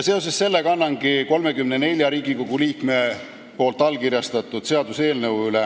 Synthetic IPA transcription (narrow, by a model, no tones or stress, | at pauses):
jɑse̞o̞s̬esse̞lːekɑnːɑŋɡ̥iko̞lme̞kymnene̞lʲjɑɾiːɡ̥iko̞ɡuliːkme̞ | po̞ːlt̪ːˑɑlkiɾjɑst̪ɑt̪ːˑud̪̥se̞ɑd̪̥use̞ːlnəwylɛ